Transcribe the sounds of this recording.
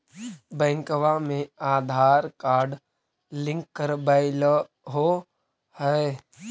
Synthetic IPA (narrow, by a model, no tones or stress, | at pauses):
bə̃ŋkʋamẽaːd̪ʱaːɾkaːɾɖ | lɪ̃ŋkːəɾbaɪl | ɦo | həe